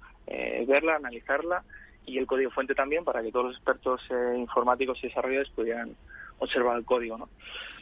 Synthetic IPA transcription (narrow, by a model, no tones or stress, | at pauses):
ḛβe̞ɾlaːnaliθaɾla | ie̞lko̞ð̞iɣo̞fwe̞nt̪et̪ambje̞mpaɾaket̪olose̞spe̞ɾt̪o̞seiɱfo̞ɾmat̪iko̞siðe̞saro̞ʝae̞spuð̞jeɾano̞se̞ɾβ̞aɾelko̞ð̞iɣono̞